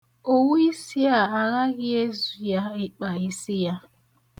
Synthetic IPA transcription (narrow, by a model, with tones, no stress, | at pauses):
o˦wu˦i˦si˦a˨a˨ɣa˦ɣɪ˦e˦zu˨ja˦ɪ˦k͡pa˨i˦si˦ja˦